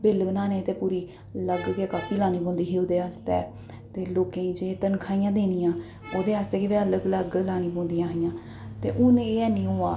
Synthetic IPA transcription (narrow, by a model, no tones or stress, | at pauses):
bɪlbənaːneːt̪eːpuːɾiː | ləɡkeːkaːpiːlaːniːbõːnd̪iːɦeːoːd̪eːɦaːst̪ɛː | t̪eːloːkẽːiːd͡ʒeːt̪ənkʰaːijãːd̪eːnijãː | oːd̪eːaːst̪ɛːkɪʋɛːələɡləɡlaːnĩːbõːnd̪ijãːɦɪjãː | t̪ḛːʔʊneːɛːnĩːɦoːaː